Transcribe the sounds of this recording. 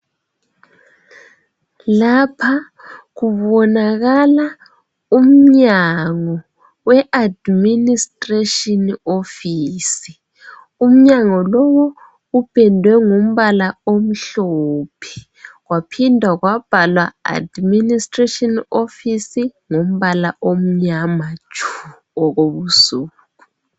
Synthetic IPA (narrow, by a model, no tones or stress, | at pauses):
lapʰa | ɣuβɔnaɣala | um̩ɲaŋɔ | wɛʔadministʼreʃɔnofiːsi | um̩ɲaŋɔlɔwɔ | ɣub̥ʱɛndʱwɛŋum̩βalaom̩ɬɔːpʰɛ̥ | ɣwapʰindʱwaɣwab̥ʱalwaa̰dministʼreʃɔnofisiŋom̩βalaʔom̩ɲamat͡ʃʰʼu | ɔɣoβusuːku